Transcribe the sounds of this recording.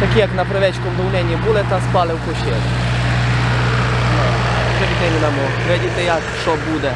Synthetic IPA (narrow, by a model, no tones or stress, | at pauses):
t̪ɐkʲijɐknɐpɾeʋɛt͡ʃkɔmd̪ɔwnʲɛnʲibulˠɪt̪ɑspɑlˠɪwpɔʃʲɛ̰l | nɔpɾeʋʲid̪nɪnʲinɐmɔ | ʋɛdʲit̪ɛjakt͡ʃɔbud̪ɛ